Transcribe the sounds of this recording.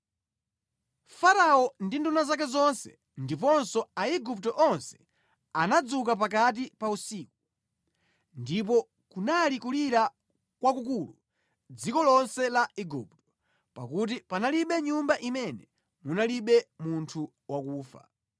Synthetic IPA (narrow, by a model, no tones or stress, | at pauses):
faɾaɔndindunazak̬ɛzɔnsɛ̰ | ndip̬ɔnsɔaiɡup̚tɔʔɔnsɛ̥ | anad͡zuk̬ap̬akat̬ipausiːku | ndip̬ɔ | kunalikuliɾa | kwakukulṵ | d͡zikɔlɔnsɛlaiɡṵp̚tɔ̥ | pa̰kut̬ipanaliɓɛɲumbaʔimɛnɛ | munaliɓɛmuntʰu | wakuːfa̰